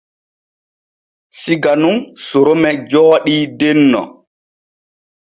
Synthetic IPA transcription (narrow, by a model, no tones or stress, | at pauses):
siɡanunsuɾomɛd͡ʒɔːɗidenːɔ̰